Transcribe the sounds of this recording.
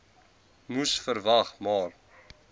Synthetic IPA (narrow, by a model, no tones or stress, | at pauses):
musfəɾvɐχmɑːr